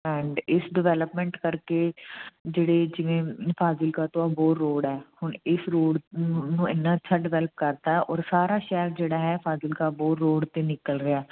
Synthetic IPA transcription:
ɛ̃ːɳɖɪsɖɪʋɛːləpmɛ̃ːɳʈkəɾkeːd͡ʒeːɽeːd͡ʒɪʋẽːpʰaːzɪlkaːt̪oaːboːɾːoːɽɦɛːhʊɳɪsɾoːɖnũːɪnːãːəːt͡ʃʰaːɖɪʋɛːləp̚kəɾt̪aːɦɛʔɔːɾsaːɾaːʃɛːəɾd͡ʒeːɽaːɦɛːpʰaːzɪlkaːboːɾːoːɖt̪eːnɪkəlɾɪaː

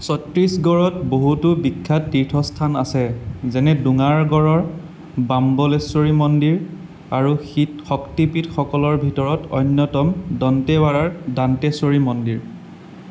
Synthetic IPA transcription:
sɔtɹisɡɔɹɔtboɦutʊbikʰːatːiɹtʰɔstʰanasɛzɛnɛduŋaɹɡɔɹɔɹ | bambɔlesoɹimɔndiɹ | aɹuxitxɔktipitxɔkɔlɔɹbʱitɔɹɔtɔ̰jnjɔtɔmdɔntɛbaɹaɹdantɛsoɹimɔndiɹ

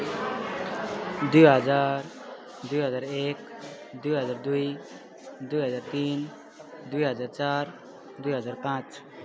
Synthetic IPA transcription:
d̪ujɦəd͡ʒaɾ | d̪ujɦəd͡zaɾek | d̪ujɦəd͡zaɾd̪uj | d̪ujɦəd͡zaɾt̪in | d̪ujɦəd͡zaɾt͡ʃaɾ | d̪ujɦəd͡zaɾpãt͡ʃ

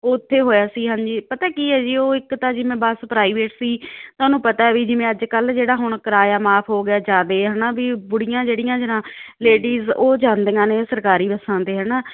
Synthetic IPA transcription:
oːɪt̪ʰːeːɦoːjaːsiːɦãːɲd͡ʒiːpət̪aːkiːɦɛːd͡ʒiːoːɪkt̪ãːd͡ʒɪmẽːbəspɾaːiːʋeːʈsiːt̪aːnũːpət̪aːɛʋiːd͡ʒɪmẽːəd͡ʒkəld͡ʒeːɽaːɦʊɳkəɾaːjaːmaːpʰɦoːɡɪaːd͡ʒaːd̪eːɦənaːbiːbʊɽɪjãːd͡ʒeːɽɪjãːd͡ʒɪnãːleːɖiːzoːd͡ʒãːnd̪eːãːneːsəɾkaːɾiːbəsãːd̪eːɦənaː

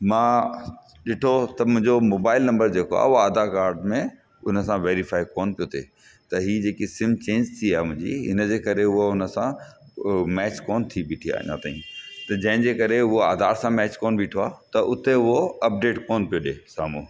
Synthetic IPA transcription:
mãː | ɗɪʈʰot̪ɐʊ̃ɦɪ̃ɲd͡ʑomoːbaːɪlnɐ̃mbəɾd͡ʑeːkoa̰ːʊaːd̪akaːɾɖmẽ | ʊnə̆sãʋeːɾifaːikoːnpijot̪ʰḛː | t̪ɐɦiːd͡ʑeːkisɪ̃mt͡ɕẽːɲd͡ʑt̪ʰiaːɦmʊ̃ɦɪ̃ɲd͡ʑḭɦɪnəd͡ʑeːkɐɾeʊɦoʊnə̆sã | mɛːt͡ɕkoːnt̪ʰibɪʈʰia̰ːɲã̰t̪a̰ːḭ̃t̪ɐd͡ʑɐ̃ɦɪ̃ɲd͡ʑeːkɐɾeʊɦoaːd̪ʱaːɾsãmɛːt͡ɕkoːnbʱiʈʰoaːt̪ɐʔʊt̪eʊɦoɐp̚ɖeːʈkoːnpijoɗeːsaːmuː

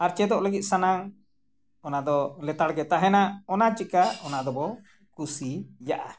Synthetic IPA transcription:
aɾt͡ʃɛd̪ɔʔləɡit̪̚ˀsanaŋ | ɔnad̪ɔlɛt̪aɽɡɛt̪aɦɛnaɔnat͡ʃikaɔnad̪ɔbɔ | kusijaʔa

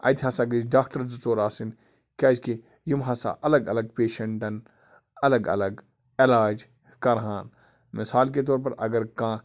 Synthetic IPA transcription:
ɐ̰jt̪ʰɦɐsakid͡ʒɖaːk̚ʈɐɾzut͡soːɾaːsin | kʲaːzke | jimɦɐsa̰ʔɐlɐɡɐlɐɡ̚peːʃɐɳʈɐn | ɐlɐɡɐ̰lɐɡ | elaːd͡ʒ | kɐɾɦãːn | mɪsaːlk̬et̪̬oːɾpɐɾʔɐ̰ɡɐɾkãː

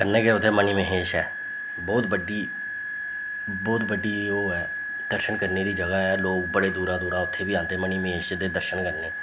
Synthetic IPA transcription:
kəɾneːkeʊt̪ʰːeːməniːməɦeːʃɦɛ̰ː | bɔːt̪bəɖiː | bɔːt̪bəɖiːoːɛː | d̪̥əɾʃənkəɾneːd̪iːd͡ʒəɡaːɦɛːloːkbəɽeːd̪uːɾãːd̪uːɾãːʊt̪ʰːeːbiːãːnt̪eːməniːməɦeːʃd̪eːd̪əɾʃənkəɾneː

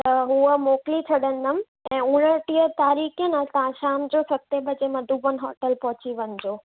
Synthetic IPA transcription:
t̪ɐɦuəmoːklit͡ɕʰɐɗə̃nd̪əm̆ | ɛ̃ːuɽ̃əʈiːət̪aːɾiːkijənat̪ãʃaːmd͡ʑoːsɐt̪ːebɐd͡ʑemɐd̪ʱuːbən̆ɦɔːʈəlpɔɦʊt͡ɕiʋəɲɪ̆d͡ʑoː

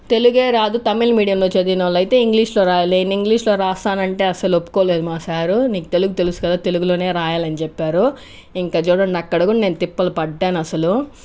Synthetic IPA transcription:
t̪e̞luɡe̞ːɾaːd̪ut̪ɐmilmiːɽijɐmloːt͡ʃed̪inɐʋlɐjt̪e̞ːiŋɡliːʂlo̞ːɾaːjale̞ːniŋɡliːʂloːɾaːst̪aːnɐɳʈe̞ːɐsɐlopːu̥koːle̞ːd̪umaːsaːɾuniːkut̪e̞luɡut̪e̞lusu̥kɐd̪aːt̪e̞luɡulo̞ːne̞ːɾaːjaːlɐnit͡ʃɛpːaːɾu | iŋkaːt͡ʃuːɽɐɳɖɐkːɐɽɐkuɽne̞ːnut̪ipːɐlɐpɐɖːaːnɐsɐlu

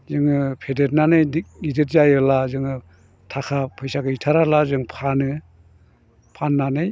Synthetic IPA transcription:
zɯŋɯpʰedet̚nanɯjidet̚zajɯlazɯŋɯ | tʰakʰapʰɯjsakɯitʰaɾalazɯŋpʰanɯ | pʰanːanɯj

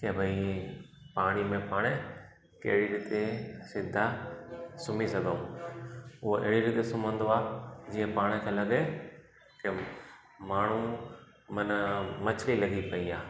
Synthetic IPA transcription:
keːbʱɐi | paːɽ̃imẽpaːɽ̃e | kḛːɽiɾɪt̪esɪd̪ʱa | sʊmisɐd̪d̪oː | ʊɦoʔɪɦɽiɾɪt̪esʊmə̃nd̪oaːd͡ʑiːə̃paːɽ̃ekʰẽlɐɡe | kɪ | maːɳ̤ũ | mɐnmɐt͡ɕlilɐɡipɐiaː

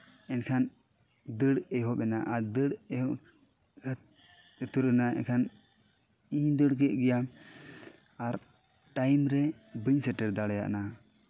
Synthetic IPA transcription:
ɛnkʰan | d̪əɽɛɦɔɓɛna̰ʔaɾd̪əɽɛhɔ | t̪uɾɛnaɛ̰nkʰan | id̪əɽkɛʔɡɛja | aɾ | ʈajmɾɛ | bəɲsɛʈɛɾd̪aɽja̰ʔna

